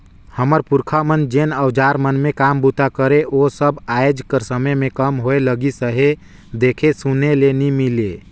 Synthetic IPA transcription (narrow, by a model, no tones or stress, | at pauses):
həməɾpuɾkʰamənd͡ʒenəwd͡ʒaɾmənmekambut̪akəɾeʔosəbajd͡ʒkəɾsəməjmekəmɦoeləɡisəɦe | d̪ekʰesunelenimile